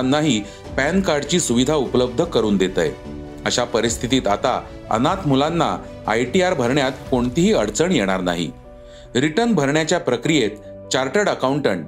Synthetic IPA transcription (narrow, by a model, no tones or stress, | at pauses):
nːaɦi | pænkaɾɖt͡ɕiːsuʋid̪ʱaupləb̚d̪ʱəkəɾuːnd̪et̪ə̰j | əɕapəɾist̪ʰit̪iːt̪at̪a | ə̰nat̪mulanːa̰ | a̰jʈiaɾbʱəɾɳjat̪koɳt̪iɦiːəɽt͡səɳjeɽ̃aɾna̰ɦḭ | ɾiʈənbʱəɾɳjat͡ɕjapɾəkɾijet̪ | t͡ɕaɾʈəɽəkawɳʈəɳʈ